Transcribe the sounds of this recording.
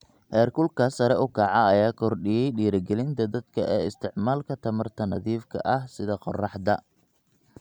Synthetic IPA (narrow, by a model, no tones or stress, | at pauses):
hɛːrkʊlkʰɐsɐɾɛʔʊkʰɐʕɑɐjaːkʰɔrɖɪjɛjɖiːɾɐɡɛlɪnt̪ʰɐd̪ɐd̪̥kʰɐʔɛːɪst̪ʰɪʕmaːlkʰɐt̪ʰɐmɐrt̪ʰɐnɐðiːfkʰɐ̰ʔɐhsɪðɐqɔrɑħd̪ɐ